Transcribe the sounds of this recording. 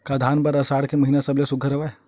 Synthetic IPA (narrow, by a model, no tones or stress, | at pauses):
kad̪ʱaːnpəɾəsaːɽkeməɦinasəblesʊɡʱəɾəʋae